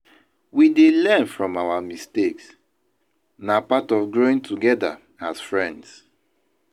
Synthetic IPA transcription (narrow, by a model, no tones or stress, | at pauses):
widelɛ̃nfɹɔ̃mawamisteks | napatɔfɡɹoĩŋtʰuɡɛda̰ | asfɹɛ̃nds